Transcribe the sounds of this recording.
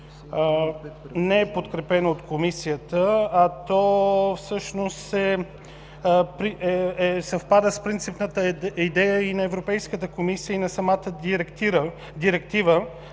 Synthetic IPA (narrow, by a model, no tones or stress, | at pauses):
nɛɛpot̪kɾɛpɛnoot̪komisijət̪əːt̪ɔfsɤʃnost̪ɛ | pɾiɛɛsɐfpad̪əspɾint̪sipnət̪əid̪ɛjəinɐɛvɾopɛjskət̪əkomisijəinɐsɐmat̪əɾə | d̪iɾɛk̚t̪ivə